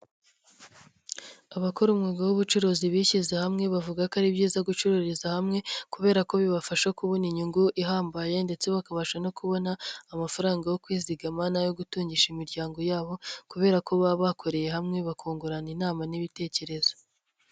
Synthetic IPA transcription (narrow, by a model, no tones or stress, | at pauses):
aβakoɾumŋeːɡawuβut͡ʃuɾoziβiçizehamŋe̞βavuɡakaɾibɟiːzaɡut͡ʃuɾoɾizahamŋe̞kuβe̞ːɾako̞βiβafaʃakuβoniɲuŋɡuʔiɦaːmbaje̞nde̞t͡se̞βakaβaʃano̞kuβo̞naːmafaɾaːŋɡajo̞kwiːziɡamanajo̞ɡutuːɲɟiʃimiɾɟaːŋɡo̞jaːβo̞kuβe̞ːɾako̞βaβakʰo̞ɾe̞je̞ɦamŋe̞βakʰoːŋɡuɾaninaːmaniβite̞ːce̞ɾe̞zo̞